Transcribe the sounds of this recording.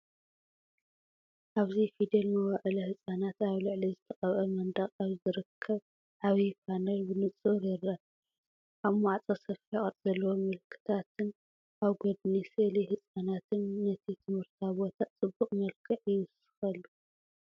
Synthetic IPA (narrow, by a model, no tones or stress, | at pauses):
ʔaβzifid̪elmɐwaʕɨlɐhɨsʼanat̪aβlɨʕlizɨt̪ʰɐχʼɐβʔɐmɐnd̪ɐχʼaβzɨɾɨkʰːɐβ | ʕaβifʰanɐlbɨnɨt͡sʼɨɾjɪrːɐ | ʔaβmaʕt͡sʼasɐfiχʼɐɾʼz̥ɐlːɐwo̞mɨlkʰːɨ̥t̪ʰat̪ʰɨn | ʔaβɡod̪̚niselihɨsʼanat̪ʰɨnːɐt̪ʰit̪ʰɨmhɨɾt̪ʰaβot̪ʰatt͡sʼɨbːuχʼmɐlkʰɨʕɪwɨsɨ̥xɐlːu